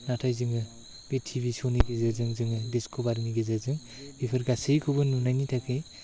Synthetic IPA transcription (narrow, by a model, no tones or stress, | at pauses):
natʰajzɯŋɯ | b̥etʰibisoniɡezaɾzɯŋzɯŋɯdeskʰobaɾniɡezazɯŋ | bipʰɯɾɡasɯjkʰubɯnːunajnitʰakʰɯj